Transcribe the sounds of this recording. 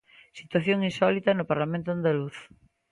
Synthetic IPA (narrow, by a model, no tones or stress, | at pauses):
sit̪waθjoŋinsɔlit̪ɐnopaɾlamẽnt̪oand̪aluθ